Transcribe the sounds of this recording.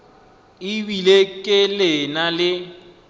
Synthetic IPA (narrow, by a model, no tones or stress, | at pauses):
ɪbilekʼɪlɪnalɪ